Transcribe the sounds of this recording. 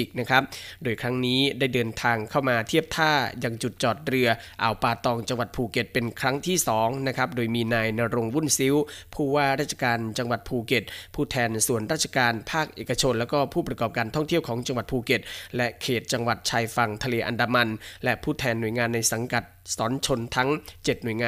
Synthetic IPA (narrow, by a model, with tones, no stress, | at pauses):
i˨˩k̚na˦˥kʰa˦˥p̚doː˧jkʰɾa˦˥ŋniː˦˥daː˥˩jdɤː˧nt̪ʰaː˧ŋkʰa˥˩wmaː˧t̪ʰi˥˩əp̚t̪ʰaː˥˩ja˧ŋt͡ɕu˨˩t̪̚t͡ɕɔː˨˩t̪̚ɾɯ˧əʔaː˨˩wpaː˧t̪ɔː˧ŋt͡ɕa˧ŋwa˨˩t̪̚pʰuː˧ke˨˩t̪̚pe˧nkʰɾa˦˥ŋt̪ʰiː˥˩sɔː˩˦ŋna˦˥kʰa˦˥p̚doː˧jmiː˧naː˧jnaː˧ɾo˧ŋwu˥˩nsi˦˥wpʰuː˥˩waː˥˩ɾaː˥˩t͡ɕʰḁ˧kaː˧nt͡ɕa˧ŋwa˨˩t̪̚pʰuː˧ke˨˩t̪̚pʰuː˥˩t̪ʰɛː˧nsu˨˩ənɾaː˥˩t̪̚t͡ɕʰa˧kaː˧npʰaː˥˩k̚ʔeː˨˩ka˧t͡ɕʰo˧nlɛː˦˥wkɔː˥˩pʰuː˥˩pɾa˧kɔː˨˩p̚kaː˧nt̪ʰɔ˥˩ŋt̪ʰi˥˩əwkʰɔː˩˦ŋt͡ɕa˧ŋwa˨˩t̪̚pʰuː˧˩ke˨˩t̪̚lɛ˦˥kʰeː˨˩t̪̚t͡ɕa˧ŋwa˨˩t̪̚t͡ɕʰaː˧jfa˧ŋt̪ʰa˧leː˧ʔa˧ndaː˧ma˧nlɛ˦˥pʰuː˥˩t̪ʰɛː˧nːu˨˩əjŋaː˧nːa˧jsa˩˦ŋka˨˩t̪̚sɔː˩˦nt͡ɕʰo˧nt̪ʰa˦˥ŋt͡ɕe˨˩t̪̚nu˨˩əjŋaː˧